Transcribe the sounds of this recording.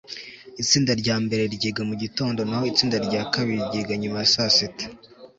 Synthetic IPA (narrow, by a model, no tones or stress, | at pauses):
it͡siːndaɾɟaːmbe̞ɾe̞ɾɟeːɡamuɟito̞ːndo̞naho̞it͡siːndaɾɟaːkaβiɾiɾɟeːɡaɲumajasasitḁ